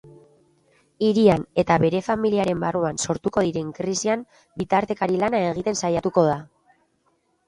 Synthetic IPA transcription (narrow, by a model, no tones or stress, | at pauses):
iɾiane̞t̪aβe̞ɾe̞familiaɾe̞mbaruanso̞ɾt̪uko̞ðiɾe̞ŋkɾisiam | bit̪aɾt̪e̞kaɾilanae̞ɣ̞it̪e̞nsajat̪uko̞ð̞a